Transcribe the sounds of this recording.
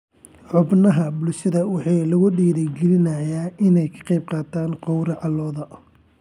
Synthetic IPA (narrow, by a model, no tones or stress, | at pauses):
ħʊbnɐɦɐbʊlʃɪðɐwɑħɑːlɐɣʊɖiːðɛɡɪlɪnɐjaːʔɪnɛjkʰɑ̥qɑjb̚qɑːt̪ʰaːnqɔwɾɐʕɑlːɔːðɐ